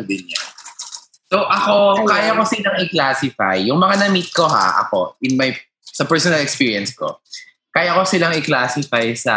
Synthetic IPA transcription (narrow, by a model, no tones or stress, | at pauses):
bɪnja | soʔɐkokaːjɐkosɪlaŋɪklaːsɪfa̰jːʊŋmɐŋanɐmit̪̚ko̞ɦa̰ʔɐ̰ko̞̰ʔɪnmɐj | sɐpɛɹsɔnɐlɛkspiːɹiɐnsko̰ | kaːjɐkosɪlaŋɪklaːsɪfajsɐ